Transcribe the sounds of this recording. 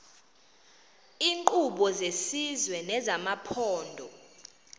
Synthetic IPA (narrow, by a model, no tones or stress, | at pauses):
iːŋkʼuɓɔzesizwɛnɛzamapʰɔːndʱɔ